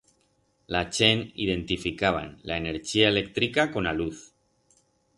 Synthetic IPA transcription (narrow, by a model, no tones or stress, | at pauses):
lat͡ʃenḭð̞e̞nt̪ifikaβ̞a̰nlaeneɾt͡ʃiaelek̚t̪ɾikako̞naluθ